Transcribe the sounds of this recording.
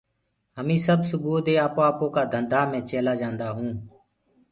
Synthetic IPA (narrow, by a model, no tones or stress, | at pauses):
ɦəmĩːsəbsʊbuːd̪eːaːpoːaːpõːkaːd̪ʱənd̪ʱaːmẽːt͡ʃeːlaːd͡ʒãːnd̪aːɦũː